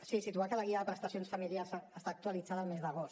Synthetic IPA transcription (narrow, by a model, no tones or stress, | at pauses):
sisit̪uakələɣiəðəpɾəst̪əsijonsfəmiljaɾsəst̪aːkt̪uəlid͡zaðəlˠmezðəɣ̞os